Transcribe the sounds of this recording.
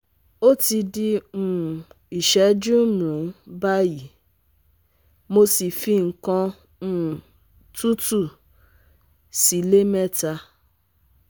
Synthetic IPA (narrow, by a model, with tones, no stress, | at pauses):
o˦ti˧di˧ũ˨ | i˨ʃɛ˨˦d͡ʒũ˦mũ˨˦ba˦ji˨˦ | mo˧si˨fi˧ŋ̩˨kã˧˦˨ | tu˦tu˦˨ | si˨˦le˦mɛ˦ta˧